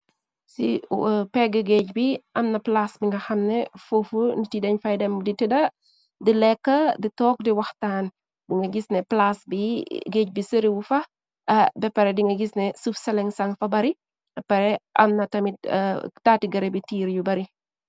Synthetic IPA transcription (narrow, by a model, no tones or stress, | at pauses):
sipɛɡəɡeːc̚biʔɐmnɐplasbiŋɡɐxɐmnɛfofunitidɐɲfɐjdɛmditidɐ | dilɛkːɐditɔːk̚diwɐxtaːn | biŋɡɐɡisnɛplasbiɡeːc̚bisəɾiwufɐ | ɐbɛpɐɾɛdiŋɡɐɡisnɛsufsɐlɛŋsɐŋfɐbɐɾi | ɐpɐɾɛʔɐ̰mnɐtɐmitːtaːtiɡɐɾɛbitiːɾjubɐɾi